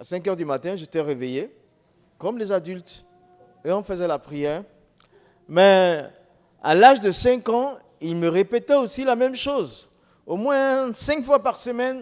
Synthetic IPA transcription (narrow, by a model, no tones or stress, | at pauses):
a̰sɛ̃kœʁd̪ymat̪ɛ̃ʒet̪ɛʁeveje | kɔmlezad̪ylt̪ | eɔ̃fəzɛlapχijɛːʁ | mɛ | a̰laʒd̪əsɛ̃kɑ̃ | ilməʁepɛt̪ɛosilamɛmʃoz | omwɛ̃sɛ̃kfwapaʁsəmɛn